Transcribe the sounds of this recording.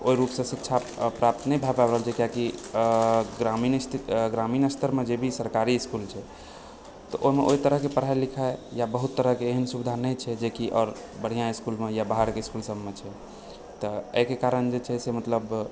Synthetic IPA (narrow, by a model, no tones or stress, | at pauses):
oiɾupsə̃sik̚t͡ʃʰa | pɾap̚t̪nɛbʱababɾəɦəlt͡ʃʰɛkjaki | ɡɾaminist̪ʰiɡɾaminəst̪ʰəɾmed͡ʒebʱisəɾkaɾiːskult͡ʃʰɛ | t̪ɔʔoɦimeʔoit̪əɾəɦkepəɾ̤aelikʰaejabəɦut̪ːəɾəɦkeːɦənsubid̪ʱanət͡ʃʰɛd͡ʒekiʔɔːɾ | bəɽ̤ijãiskulmejabaɦəɾkeiskulsəbmet͡ʃʰɛ | t̪ɔeɦkekaɾənd͡ʒet͡ʃʰɛsemət̪ləb